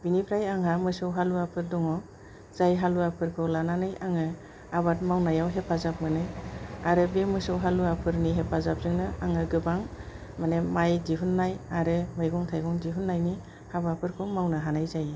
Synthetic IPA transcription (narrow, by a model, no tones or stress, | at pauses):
binipʰɾajaŋamɯsɯwɦaluapʰɯɾdɔŋɔ | zajɦaluapʰɯɾkʰɯwlananɯjaŋɯ | abat̚mawnajawɦepʰazap̚mɯnɯjaɾɯbemɯsɯwɦaluapʰɯɾniɦepʰazap̚zɯŋnɯaŋɯɡɯbaŋ | manemajdiɦɯnːajaɾɯmɯjɡɔŋtʰajɡɔŋdiɦʰunːajni | habapʰɯɾkʰɯwmawnɯɦanajzaj